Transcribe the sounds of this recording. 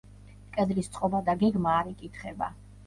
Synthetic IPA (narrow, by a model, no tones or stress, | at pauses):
kʼɛd̪list̪sʼqʼɔbad̪aɡɛɡmaːɾɛkʼit̪ʰχɛba̰